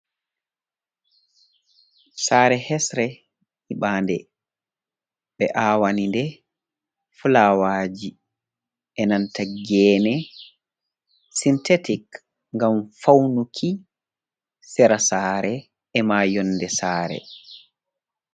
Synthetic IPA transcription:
saːɾɛhɛsɾɛ | iɓaːndɛ | ɓɛʔaːwanindɛ | fulawaːd͡ʒi | ʔɛnantaɡɛːnɛ | sintetik | ŋɡamfawnukʰi | sɛɾasaːɾɛ | ɛmaːjɔnːdɛsaːɾɛ̰

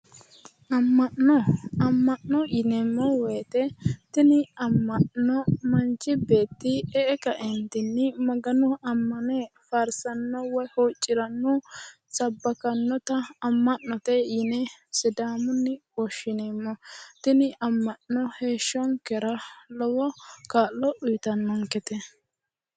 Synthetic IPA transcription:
ʔɐmːɐʔɔɐmːɐnːɔʔɪnɛmːɔwɔjt̪ɛt̪ɪnɪɐmːɐʔnɔmɐnt͡ʃɪbe̞ːt̪ːɪɛɛkɐʔɛnt̪ɪnːɪmɐɡɐnɔɐmːɐnɛfɐɾsɐnːɔwɔjhot͡ʃʼːɪɾɐnːɔ | sɐbːɐkɐnːɔt̪ɐːmːɐnːɔt̪ɛjɪnɛsɪd̪aːmʊnːɪwɔʃːɪneːmːɔt̪ɪnɪʔɐmːɐnnːɔheːʃːɔŋkɛɾɐlɔwɔkaːlːɔʔʊjt̪ɐnːɔŋkɛt̪ɛ

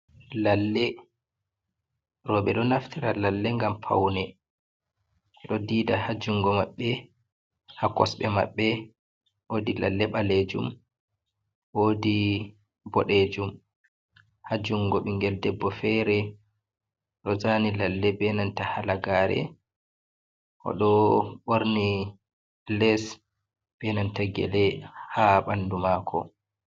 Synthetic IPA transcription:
lalːɛ | ɾɔɓɛɗɔnaftʰiɾalalːɛŋɡampʰa̰wnɛ | ɛɗɔdiːdahad͡ʒuŋɡɔmaɓːɛ | hakɔsɓɛma̰ɓːɛ | wodila̰lːɛɓaled͡ʒṵm | woːdi | bɔɗed͡ʒum | had͡ʒuŋɡɔɓiŋɡɛldɛbːɔfɛɾɛ | ɗɔzanilalːɛbɛnantahalaɡaɾɛ̰ | ʔɔ̰ɗɔɓoɾni | lɛs | b̥ɛnantaɡɛ̰lɛhaɓandumaːkʰɔ̰

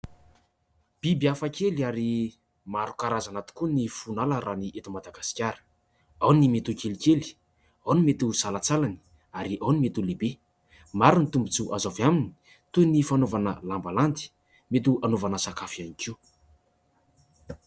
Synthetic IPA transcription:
b̥ibiafakeliaɾi | maɾukaɾazanat̪i̥kunifunaləɾaniʔet̪umad̪aɡasi̥kʲjaɾə̥ | awnimet̪ukelikʲeli̥ | awnimet̪uz̥alat͡salani̥ | aɾiʔawnimet̪ulebe | maɾunit̪umbut͡suʔazavjamini̥ | t̪unifanovanəlambalant̪i̥ | met̪uʔanovanəsakafianikiw

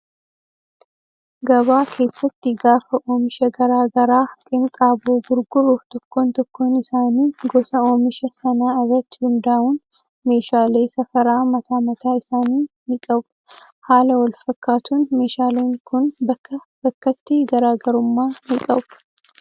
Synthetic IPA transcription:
ɡɐβaːkʰe̞ːsːɐt̪ːɪɡaːfɐʔoːmɪʃɐɡɐɾaːɡɐɾaːkʼɪmk̪ʼaːboːɡʊɾɡʊɾut̪ɔkːo̞ːnt̪ɔkːo̞ːnɪsaːniːɡɔsɐo̞ːmɪʃɐsɐnaːɪrːɐt̪ːɪ̥hʊnd̪aːʔʊn | me̞ːʃaːle̞ːsɐfɐɾaːmɐt̪aːmɐt̪aːɪsaːniːnɪkʼɐbʊ̥ | haːlɐwɐlfɐkːaːt̪uːnme̞ːʃaːle̞ːŋkʊnbɐkːɐ | b̥ɐkːɐt̪ːɪɡɐɾaːɡɐɾʊmːaːnɪkʼɐbʊ̥

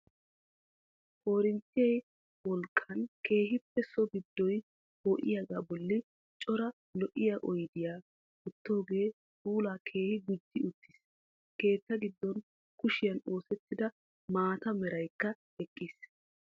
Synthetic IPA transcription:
ʔo̞ːɾɪnt̪ːɪjɛj | wɔlkʼːɐnkʰe̞ːɦɪpːɛsɔbɪd̪ːɔj | hɔːʔɪ̰jaɡaːbɔlːɪ | t͡ʃʼɔɾɐ | lɔʔɪjaːʔɔjd̪ɪjaː | ʊt̪ːo̞ːɡe̞ː | uːlaːkʰe̞ːhɪɡʊd͡ʒːɪʊt̪ːɪ̥s | ke̞ːt̪ːɐɡɪd̪ːɔn | kʊʃɪjɐno̞ːsɛt̪ːɪd̪ɐ | maːt̪ɐmɛɾɐjkːɐ | ɛkʼːis

